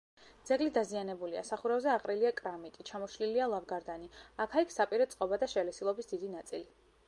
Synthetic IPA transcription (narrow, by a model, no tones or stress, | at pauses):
d̪zɛɡlid̪azianɛbulia̰saχuɾavzɛaqʼɾiliakʼɾamit̪ʼit͡ʃʰamɔʃlilialˠavɡaɾd̪aniakʰaikʰsapʼiɾɛt̪sʼqʼɔbad̪aʃɛlɛsilˠɔbisd̪id̪inat̪sʼḭli